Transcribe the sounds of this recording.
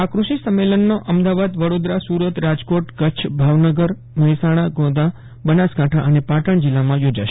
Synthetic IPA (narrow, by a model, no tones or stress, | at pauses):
akɾuʃisəmːelənːoʔəmd̪aʋad̪ʋəɽod̪ɾasuɾət̪ɾad͡ʒkoʈkətːʃʰbʱaʋnəɡəɾ | məɦjsaɽ̃aɡõd̪a | bənaskãʈʰaʔənepaʈəɳ̃d͡ʒɪlːamãjod͡ʒaʃe̥